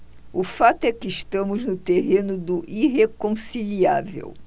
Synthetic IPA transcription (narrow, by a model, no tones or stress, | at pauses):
ʊfat̪ʊɛkɪːʃt̪ɐ̃mʊznʊt̪eɦẽnʊd̪ʊʔiɦekõsilia̰vḛw